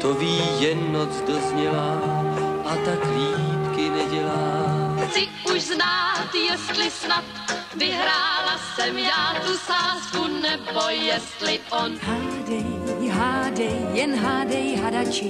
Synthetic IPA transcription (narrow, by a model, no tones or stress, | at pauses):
t̪oviːjɛnːot͡sdozɲɛla | ʔat̪akliːp̪kɪnɛɟɛlaːt͡sɪʔuʃznaːt̪jɛst̪lɪsnat̪vɪɦɾaːlasɛmjaːt̪usaːskunɛbojɛst̪lɪʔonhaːdɛjɦaːdɛjjɛnɦaːdɛjɦadat͡ʃɪ